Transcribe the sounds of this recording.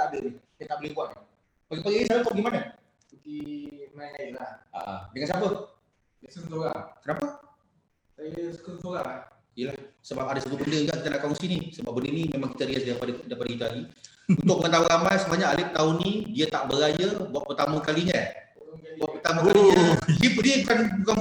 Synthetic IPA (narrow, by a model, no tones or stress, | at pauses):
adənɪhdiat̪aʔbolɪbuaʔ̪̚na | paɡipaɡinisalat̪ʔ̚aɡimana | kimalaa̰dəŋansapə | səsoɾaŋkənapa | sasə̥kəsoɣaŋa | ijəlahsəbap̚adasək̪ubəndəɡaʔkit̪anakɔŋsinisəbap̚bəndənimemaŋkit̪aɾiasdapadədapadikit̪aaɡi | unt̪ʊk̚məŋənt̪auɾamajsəmaɲaːlɪt̪aunidiat̪aʔbəɾajabuatʔ̚pərt̪amakaliɲa | buaʔ̪̚pərt̪amaaldipdibukanbukan